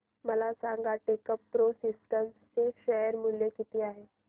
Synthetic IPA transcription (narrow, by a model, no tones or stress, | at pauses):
məlasãŋɡaʈekəpːɾosisʈəmsseʃəɦəɾmuljekit̪iaːɦe